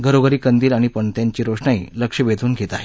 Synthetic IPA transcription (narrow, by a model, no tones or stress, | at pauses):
ɡʱəɾoɡəɾiːkənd̪iːlaɽ̃ipəɳt̪jaɲt͡ɕiːɾoʂɳaḭːləkʂəʋed̪ʱuːnɡʱet̪aɦe